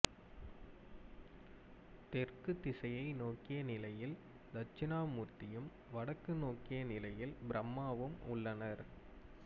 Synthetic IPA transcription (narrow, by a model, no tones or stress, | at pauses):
t̪ɛrkɯt̪ːɪsɐjɐɪnoːkːɪjɐnɪlɐjɪl | d̪ɐt͡ʃːɪnaːmuːɾt̪ɪjɯm | ʋɐɽɐkːɯnoːkːɪjɐnɪlɐjɪlbɪɾɐmːaːʋɯmʊɭːɐnɐɾ